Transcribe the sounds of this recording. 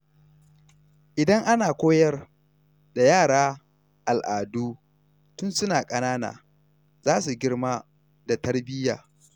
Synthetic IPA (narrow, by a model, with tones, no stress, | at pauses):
ʔɪ˨dɐ˦ŋʔa˦naː˨kʷoː˦jɐ˦r | da˨jaː˦˨ɽaː˦ | ʔa˨lʔaː˨duː˦ | tʊ˦nsʊ˦naː˨kʼɐ˦naː˦na̰ː˨ | z̥aː˦su˨ɡʲɪ˦rmaː˦ | da˨tɐ˦rbɪ˦ja̰ː˨